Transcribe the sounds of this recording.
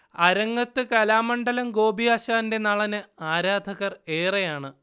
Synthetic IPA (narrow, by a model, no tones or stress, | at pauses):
ɐɾɐŋːɐt̪ːɨkɐlaːmɐɳɖɐlɐmɡo̞ːbijaːɕaːnnde̞nɐɭɐnɨaːɾaːd̪ʱɐɣɐre̞ːrejaːɳɨ